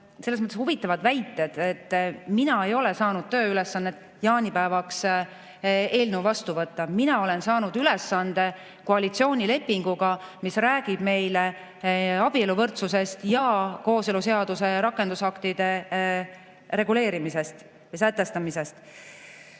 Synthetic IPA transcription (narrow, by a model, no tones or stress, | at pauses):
se̞lːesmɤt̪ːˑeshuvit̪ːˑɑvɑd̪væjt̪ːˑe̞d̪̥e̞t̪ːminɑe̞jo̞le̞sɑːnud̪̥̚t̪ø̞ːyle̞sːɑnːet̪ːˑ | jɑːnʲipæevɑks | e̞ːlneuvɑst̪uvɤt̪ːɑminɑo̞le̞nsɑːnud̪̥ylɛsːɑnd̪̥e̞ | koɑlit̪sio̞ːnʲile̞pːiŋɡ̥uɡ̥ɑmisræːɡ̥ib̥me̞jle | ɑb̥ie̞luvɤrt̪suse̞st̪jɑko̞ːseluse̞ɑd̪̥use̞ɾɑkˑːe̞nd̪̥usɑkt̪id̪̥e̞ | ɾe̞ɡule̞ːɾimise̞st̪ | jɑs̬æt̪ːˑe̞st̪ɑmise̞st̪